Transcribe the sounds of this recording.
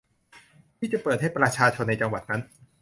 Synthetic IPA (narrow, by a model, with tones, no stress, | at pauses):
t̪ʰiː˥˩t͡ɕa˨˩pɤː˨˩t̪̚ha˥˩jpɾa˧t͡ɕʰaː˧t͡ɕʰo˧nːa˧jt͡ɕa˧ŋwa˨˩t̪̚na˦˥n